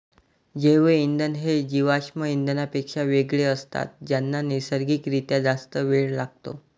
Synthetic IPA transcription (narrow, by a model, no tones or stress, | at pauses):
d͡ʑeʋəind̪ənɦed͡ʑiʋaɕməind̪ənapekʂaʋeɡɭeəst̪a̰t̪̚d͡ʑjanːanesəɾɡiːkɾit̪jad͡zast̪əʋeɭlaɡ̚t̪o̰